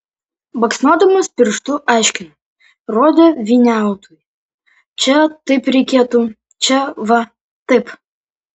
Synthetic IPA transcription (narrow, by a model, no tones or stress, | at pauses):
bɐksnoːd̪ɐmɐspʲɪɾʃt̪uʔɑˑɪʃʲkʲɪn | roːd̪ʲeʋʲinʲæˑʊt̪uːj | t͡ʃʲɛt̪ɐɪpɾʲɛɪkʲeɛt̪u | t͡ʃʲɛʋɐ | t̪ɐɪp